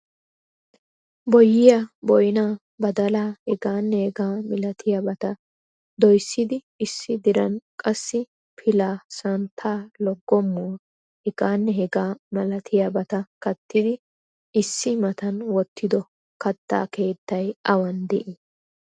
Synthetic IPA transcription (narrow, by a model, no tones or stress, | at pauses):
bɔjːɪjɐbɔjnaː | bɐd̪ɐlaːhɛɡaːnːɛhɛɡaːmɪlɐt̪ʰɪjɐbɐt̪ɐ | d̪ɔjsːɪd̪ɪ | ɪsːɪd̪ɪɾɐnkʼɐsːɪ | pʰɪlaːsɐnt̪ʰːaːlɔɡːɔmːʊwɐ | hɛɡ̥aːnːɛɦɛɡaːmɐlɐt̪ʰɪjɐbɐt̪ɐkɐt̪ːɪd̪ɪ | ɪsːɪmɐt̪ɐnwɔt̪ʰːɪd̪ɔ | kɐt̪ːa̰ːke̞ːt̪ːɐjʔɐwɐnd̪ɛʔɪ